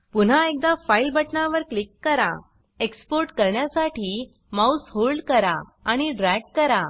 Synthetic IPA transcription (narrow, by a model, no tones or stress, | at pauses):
pun̤aek̚d̪afailbəʈnaʋəɾklikːəɾa̰ | ekspoɾʈkəɾɳjasaʈʰiː | mausholɖkəɾa̰aɽ̃iɖɾɛɡ̚ːəɾa